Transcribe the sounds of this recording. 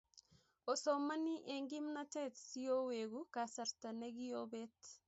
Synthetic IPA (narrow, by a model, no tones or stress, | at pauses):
ɔsɔmaniʔɛŋɡimnatɛtsioweɣukasaɾtaneɣiobɛt